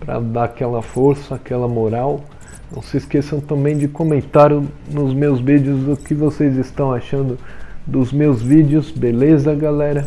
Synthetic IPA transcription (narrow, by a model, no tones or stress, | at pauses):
pɾɐ̰d̪aakɛlɐfoɾsɐakɛlɐmoɾaw | nɐ̰̃w̃sɪiskesɐ̃w̃t̪ɐ̃mbẽj̃d͡ʒɪkõmẽnt̪aɾjnʊzmewzvid͡ʒɪʊzʊkɪvosejzɪst̪ɐ̃w̃aʃɐ̃nd̪ʊd̪ʊzmewzvid͡ʒɪʊzbelezɐɐɡalɛɾɐ